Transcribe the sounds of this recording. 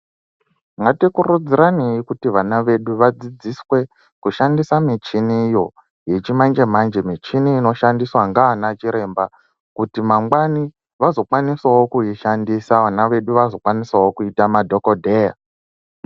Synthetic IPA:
ŋɡatikurud͡ziɾanejikutiʋanaʋe̞ɗuʋad͡zid͡ziswe̞ | kuʃandisamit͡ʃinijo̞ | je̞t͡ʃimand͡ʒe̞mand͡ʒe̞mit͡ʃiniːno̞ʃandiswaŋɡaːnat͡ʃiɾe̞mba | kutimaŋɡwani | ʋazo̞kwaniswawokuiʃandisaʋanaʋe̞ɗuʋazo̞kwaniswawokuitamadʱo̞kodʱe̞ːja̰

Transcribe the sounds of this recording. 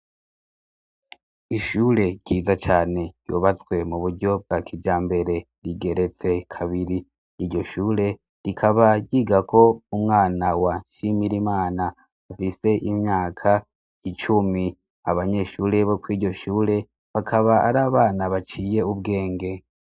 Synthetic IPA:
iʃuːɾe̞ɟiːzat͡ʃaːne̞ɾ̥ɟ̥o̰ːβat͡swe̞muβuɾɟo̞b̚ɡakʰid͡ʒaːmbe̞ɾe̞ | ɾiɡe̞ɾe̞t͡se̞kʰaβiɾiː | ɾɟo̞ʃuːɾe̞ | ɾikʰaβaɟɟiɡakʰo̞umŋaːnawaʃimiɾimaːnaː | fise̞ʔimɲaːkʰa | it͡ʃumi | aβaɲe̞ʃuːɾe̞βo̞kwiːɾɟo̞ʃuːɾe̞ | βakʰaβaa̰ɾaːβaːnaβat͡ʃiːje̞ub̚ɡe̞ːŋɡe̞

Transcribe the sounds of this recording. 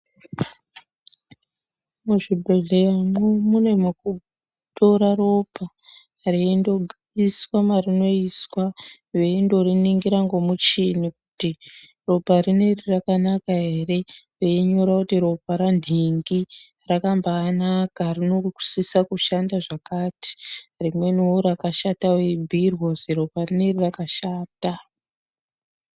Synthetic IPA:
muʐibʱeɮejamumune̞muku | to̞ɾaɾo̞pʰa | rindoɡ | iswamarino̞iswa | eindo̞ɾiniŋɡiɾaŋɡomut͡ʃiniku̥ti | robʱaɾine̞rirakanakaɦe̞re̞ | ʋeiɲo̞ɾakutiɾo̞bʱaɾandʱiŋɡi | rakambaːnakarinoku̥sisakuʃandaʐakaːti̥rimwe̞nuuɾakaʃatawebʱirwo̞ziɾo̞parinerirakaʃaːta

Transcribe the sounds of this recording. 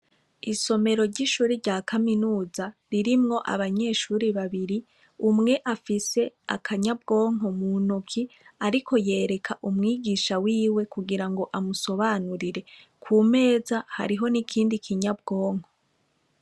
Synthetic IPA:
iso̞me̞ɾo̞ɾɟiʃuːɾiɾɟaːkʰaminuːzaɾiɾimŋo̞ʔa̰βaɲe̞ːʃuːɾiβaβiɾi | umŋe̞ʔafise̞a̰kʰaɲabɡo̞ːŋ̥ɦo̞munukʰiaɾikʰo̞je̞ːɾe̞kʰaʔumŋiːɡiːʃawiːwe̞kuɡiɾaŋɡo̞ʔamuso̞βanuɾiɾe̞ | kʰuːme̞ːzaha̰ɾiɦo̞nikʰiːndikʰiɲab̚ɡo̞ːŋ̥ho

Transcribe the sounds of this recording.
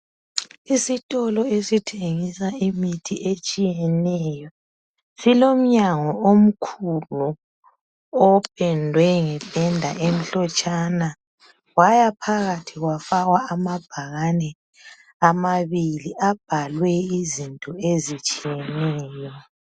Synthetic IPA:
isitʼɔlɔesitʰeŋisaimitʰiʔet͡ʃʼijɛnɛjɔ | silom̩ɲaŋɔʔom̩kʰulu | ɔpʰʼɛndʱwɛŋɛb̥ʱɛndʱa̰ʔem̩ɬɔt͡ʃʼana | wajapʰaɣatʰiɣwafaɣwaamab̥ʱaɣanɛ | amaβiliʔab̥ʱalwɛizintʼɔezit͡ʃʼijɛnɛːjɔ

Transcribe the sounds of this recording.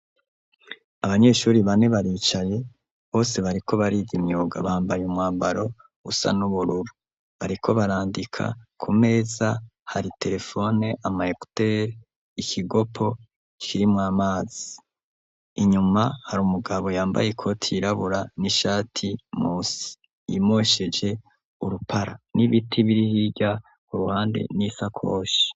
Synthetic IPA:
aβaɲe̞ʃuːɾiβane̞βaɾiːt͡ʃaje̞ | βo̞ːse̞βaɾikʰo̞βaɾiɡimɲuːɡa̰βaːmbajumŋaːmbaɾo̞ | ɡṵsa̰nuβuɾuɾu | βaɾikʰo̞βaɾaːndikʰa̰kʰume̞ːzahaɾite̞ɾe̞fo̞ne̞ʔamaheku̥teɾ | ikʰiɡo̞pʰo̞ | kʰiɾimŋaːmaːz̥i̥ | iɲumahaɾuːmuɡaβo̞jaːmba̰jekʰo̞tʰiɾaβuɾaniʃaːtʰimuːsi̥ | ḭmoʃe̞d͡ʒe̞ | uɾupʰaɾa̰niβitʰiβiɾihiɟa | kuɾuhaːnde̞̰nisakʰo̰ːʃi̥

